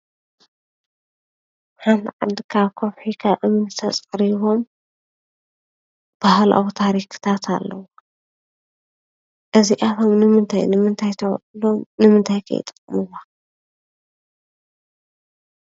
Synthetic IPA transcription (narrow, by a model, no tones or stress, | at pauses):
ħand̪ʕad̪ɨkʰaβkʰoβħikʰaβʔɨmɨnt̪ʰɐt͡sʼkʼɾiβom | b̥ahlʔa̰wut̪ʰaɾikʰɨ̥t̪ʰat̪ʰa̰lːɐ̰wu | ʔɨziʔaβomnɨmɨnt̪ʰa̰jnɨmɨnt̪ʰajt̪ʰɐw̰lomnɨmɨnt̪ʰajkʰɐ̰j̰t̪ʼɨ̥kʼːmɨwa